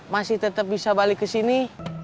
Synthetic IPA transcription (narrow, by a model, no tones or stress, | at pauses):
masɪht̪ət̪əp̚bisabalɪkːəsini